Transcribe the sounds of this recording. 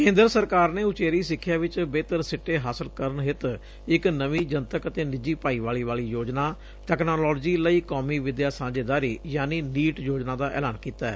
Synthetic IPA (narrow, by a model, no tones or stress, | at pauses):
kẽːnd̪əɾsəɾkaːɾneːʊt͡ʃeːɾiːsɪkʰːjaːʋɪt͡ʃbeːt̪əɾsɪʈːeːɦaːsəlkəɾənɦɪt̪ | ɪknəʋiːd͡ʒənt̪əkət̪eːnɪd͡ʒiːpaːiːʋaːliːʋaːliːjoːd͡ʒnaː | ʈ̪ɛːknoːlɔːld͡ʒiːləiːkoːmiːʋɪd̪jaːsãːd͡ʒeːd̪aːɾiːjaːniːniːʈjoːd͡ʒnaːd̪aːʔɛ̰ːlaːnkiːt̪aːɛ̰ː